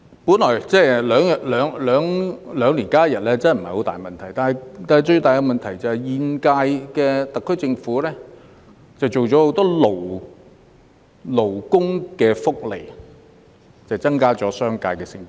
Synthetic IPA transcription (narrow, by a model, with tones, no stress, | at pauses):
puː˨˥nlɔː˨˩jt͡sɛː˥lœː˨˥ŋjɐ˨lœː˨˧˥ŋlœː˨˥ŋlœː˨˧˥ŋliː˨˩nkaː˥jɐ˨t̚lɛː˥t͡sɐ˥˨m̩˨˩hɐ˨jho˨˥wt̪aː˨jmɐ˨nt̪ʰɐ˨˩jt̪aː˨nɐ˨jt̪aː˨nɐ˨jt͡ʃɵ˧ɥt̪aː˨jɐ˧mɐ˨nt̪ʰɐ˨˩jt͡sɐ˨whɐ˨jjiː˨˧nkaː˧jkɛː˧t̪ɐ˨kʰːɵ˥ɥt͡sɪ˧ŋfuː˨˥lɛː˥ | t͡sɐ˨wt͡so˨wt͡sɔ˨˥ho˨˥wt̪ɔː˥lo˨˩w | lo˨˩wkʊ˥ŋkɛː˧fʊ˥k̚lḛ˨˩j | t͡sɐ˨jt͡sɐ˥ŋkaː˥t͡sɔː˨˧˥sœː˥ŋka̰ː˧jkɛː˧sɪ˧ŋki˨˥